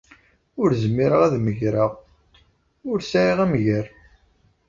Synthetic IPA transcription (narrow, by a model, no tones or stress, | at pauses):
ʊɾzəmːiɾəʁæðməʝɾəʁ | ʊɾsæiʁæməʝəɾ